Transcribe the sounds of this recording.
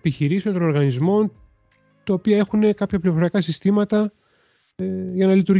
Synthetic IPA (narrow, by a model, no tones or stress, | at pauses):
piçiɾiseont̪ono̞ɾɣɐnizmo̞n | t̪ɐopiɐe̞xune̞kɐpçɐpliofo̞ɾijɐkɐsist̪imɐt̪ɐ | ʝɐnɐlit̪uɾ